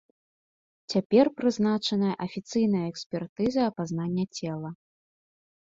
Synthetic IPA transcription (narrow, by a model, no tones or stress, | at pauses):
t͡sʲapʲɛrpɾɨznat͡ʂɐnɐjɐʔɐfʲit̪sɨjnɐjɐɛksʲpʲɛrt̪ɨzɐɐpaznanʲːɐt͡sʲɛlˠɐ